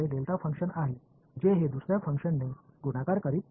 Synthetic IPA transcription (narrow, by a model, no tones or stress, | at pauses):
elelt̪afəŋkɕənaɦe | d͡ʑeɦed̪usɾjafəŋkʂənːeɡuɽakaɾkəɾiːt̪